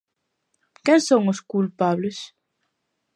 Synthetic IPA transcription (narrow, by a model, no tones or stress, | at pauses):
kɛŋsoŋʊskulpaβles